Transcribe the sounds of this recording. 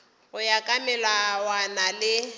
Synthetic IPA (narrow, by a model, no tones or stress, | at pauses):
ʊjakʼamɛlawanalɪ